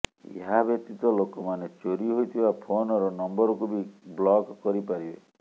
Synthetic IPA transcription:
ḛɦabjɔk̚t̪it̪ɔlokɔmanet͡ʃoɾiɦojt̪ʰibapʰonɔɾɔnɔmbɔɾɔkubiblɔɡkɔɾipaɾibe

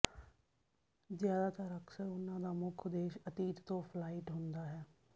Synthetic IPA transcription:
zjaːd̪aːt̪əɾəkʰsəɾʊnːãːd̪aːmʊkʰd̪eːʃət̪iːt̪t̪õːpʰlaːɪʈɦʊnd̪aːɦɛː

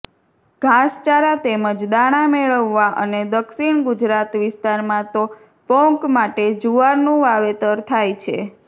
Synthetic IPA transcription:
ɡ̥ʱast͡ʃaɾat̪eməd͡ʒd̪aɽ̃ameɭəʋːaʔəned̪əkʃiɳɡʊd͡ʒɾat̪ʋɪst̪aɾmãt̪o | pɔkmaʈed͡ʒuʋaɾnũʋaʋet̪əɾt̪ʰajt͡ʃʰḛ

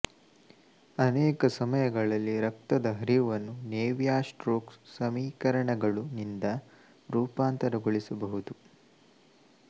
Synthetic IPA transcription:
ɐneːkɐsɐmɐjɐɡɐɭɐlːiɾɐk̚t̪ɐd̪ɐɦɐɾijuʋɐnːuneːʋjaːsʈɾoːkssɐmiːkɐɾɐɳɐɡɐɭunind̪ɐ | ɾuːpaːnt̪ɐɾɐɡoɭisɐbɐɦud̪u

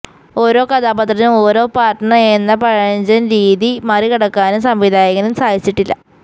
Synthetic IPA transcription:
o̞ːɾo̞ːkɐd̪aːbɐt̪rɐnumo̞ːɾo̞ːpaːʈːɐɳɐenːɐpɐɻɐɲd͡ʑɐnɾiːðimɐːrikiɽɐkːaːnumsɐmʋid̪ʱaːjɐɣɐnumsaːjit͡ɕːiʈːilːɐ̰

